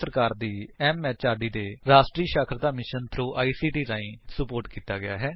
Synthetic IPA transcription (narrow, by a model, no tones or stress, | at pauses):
səɾkaːɾd̪iːɛːmːɛːt͡ʃaːɖiːd̪eːɾaːsʈɾiːʃaːkʰəɾd̪aːmɪʃənt̪ʰɾoːʔaːiːsiːʈiːɾãːĩːsəpoːɾʈkiːt̪aːɡɪja̰ːɦɛː